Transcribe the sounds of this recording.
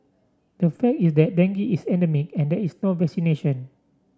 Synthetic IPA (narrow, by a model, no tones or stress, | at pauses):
d̥əfɛk̚tisdɛt̚dɛ̃ŋɡiʔisɛ̃ndɛmik̚ɛ̃ndɛisnovɛksineʃə̃n